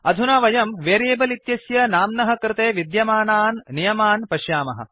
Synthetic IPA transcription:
ɐd̪ʱunaːʋɐjɐmʋeːɾeːbɐlit̪jɐsjɐnaːmnɐɦɐ̆kɾɪt̪eːʋid̪jɐmaːnaːnːijɐmaːnpɐʃjaːmɐɦɐ̰̆

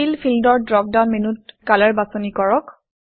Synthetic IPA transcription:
ilpʰildɔɹdɹɔk̚danminut̚kalɛɹbasɔnikɔɹɔk

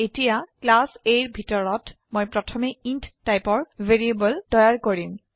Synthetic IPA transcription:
etijaklasejɹbʱitɔɹɔt | mojpɹɔtʰɔmeintːajpɔɹveɹiebɔldɔjaɹkoɹim

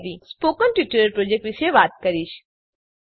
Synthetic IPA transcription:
ʋispoːkənʈʋiʈəɾəɾpɾoːd͡ʒek̚ʈʋiʃeʋaːt̪̚kɐɾiʃ

